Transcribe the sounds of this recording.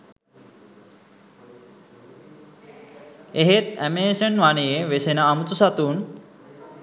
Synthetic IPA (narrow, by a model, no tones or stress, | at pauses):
eɦet̪æmeːsenʋanejeʋesenaːmut͡susat̪uːn